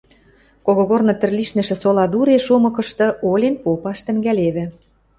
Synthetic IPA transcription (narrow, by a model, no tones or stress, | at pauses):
koɣoɣornɤ̆t̪ɘ̆rliʃnɘ̆ʃɘ̆solɑd̪uɾeʃomɤ̆kɤ̆ʃt̪ɤ̆ʔolʲenpopɑʃt̪ə̆ŋɡæleβɘ̆